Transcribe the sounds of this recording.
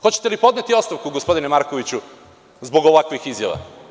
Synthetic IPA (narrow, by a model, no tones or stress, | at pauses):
xo̞t͡ɕet̪e̞lipo̞d̪net̪io̞tst̪aʋkuɡospo̞d̪inemaɾko̞ʋit͡ɕu | zbo̞ɡoʋakʋixizja̰ʋa̰